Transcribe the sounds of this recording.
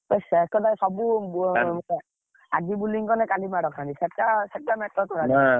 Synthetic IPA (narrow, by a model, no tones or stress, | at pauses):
ɔsaɛkɔd̪asɔbub | ad͡ʒibuliŋkɔnɛkalimaɽɔkʰanisɛʈasɛʈamɛtːɔt̪ʰɔɾa